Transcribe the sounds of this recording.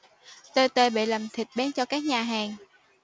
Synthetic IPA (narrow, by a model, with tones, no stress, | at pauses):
t̪o˧jt̪əː˧jɓḛ˧˨lə˨˩mt̪ʰï˨˩k̟̚ɓaː˨˦nt͡ɕɔ˧kaː˦˥k̚ɲaː˨˩ɦaː˨˩ŋ